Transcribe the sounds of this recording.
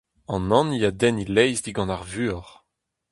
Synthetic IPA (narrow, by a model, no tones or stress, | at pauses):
ɑ̃nɑ̃nijad̪ɛnilɛjzd̪iɡɑ̃naʁvyːɔʁ